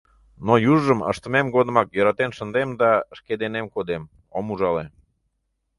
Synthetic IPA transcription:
nojuʒːəmə̰ʃt̪əmemɡod̪ə̆mɑkjøɾɑt̪enʃənd̪emd̪ɑʃked̪enemkod̪em | omuʒɑle

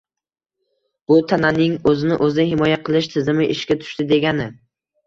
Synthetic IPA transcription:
b̥ʊt̪ʰananɪŋɵzɪnɪʔɵzɪɦɪmɒjaqʰɨlˠɪʃt̪ʰɪzɪmɪʔɪʃkʲat̪ʰʊ̥ʃt̪ɪd̪e̞ɡʲanɪ

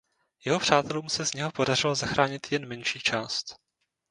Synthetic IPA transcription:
jɛɦo̞pr̝̥aːt̪ɛluːmsɛzɲɛɦo̞po̞dar̝ɪlozaxɾaːɲɪt̪jɛnmɛnʃiːt͡ʃaːst̪

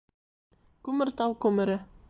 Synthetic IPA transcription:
kʉmɘɾt̪ɑwkʉmɘ̆ɾɘ

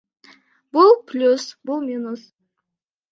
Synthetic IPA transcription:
b̥ʊlˠpʰlʲusbʊlˠmʲinʊs

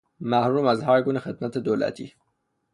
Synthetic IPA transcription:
mæhɾuːmæzhaɾɡunexəd̪̚mæt̪ʰed̪olæ̰t̪ʰḭː

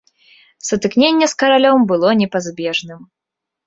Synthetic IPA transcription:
sɐt̪ɨknʲenʲːɛskɐɾalʲɔmbɨlˠɔnʲɛpazbʲɛʐnɨm

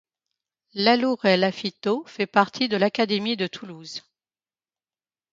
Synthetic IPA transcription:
laluʁɛlafit̪ofɛpaʁt̪ʰid̪əlakad̪emid̪ət̪ʰuluz

